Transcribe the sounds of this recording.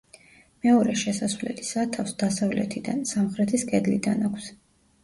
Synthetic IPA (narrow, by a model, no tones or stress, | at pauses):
mɛɔɾɛʃɛsasvlɛ̰lisat̪ʰafsd̪asavlɛ̰t̪ʰid̪ansamχɾɛt̪ʰiskʼɛd̪lid̪anakʷʰs